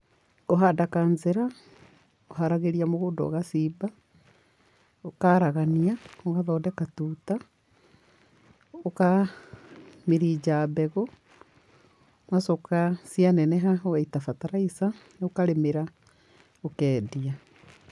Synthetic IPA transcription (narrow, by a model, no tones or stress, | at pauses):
koɦadakaːnzeɾa | oɦaɾaɣeɾiamoɣoːndɔ̰ɣasiba | okaɾaɣaniaoɣaðɔdɛkatuːta | oka | meɾid͡ʒaːbɛɣɔ | masokasianɛnɛɦaowɛitafataɾaisaneokaɾemeɾa | okɛːdia